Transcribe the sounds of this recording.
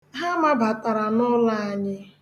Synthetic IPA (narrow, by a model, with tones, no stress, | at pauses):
ɦa˦ma˦ba˨tʼa˨ɾa˨nʊ˦la˦a˨ɲɪ˦